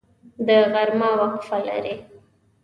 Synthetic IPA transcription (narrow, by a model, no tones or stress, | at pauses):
d̪əɣaɾmɑwaqfala̰ɾe